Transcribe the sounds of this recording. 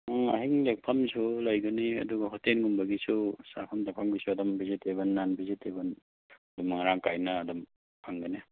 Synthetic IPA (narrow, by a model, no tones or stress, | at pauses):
ɐ̰ɦiŋlek̚pʰɐmsulajɡɐniɐ̰duɡɐɦotenɡumbɐɡisusapʰɐmdapʰamɡisuɐdɔmbizetebɐnːanbizitebɐn | dumaŋɾaŋkajnɐːdɔm | aŋɡɐni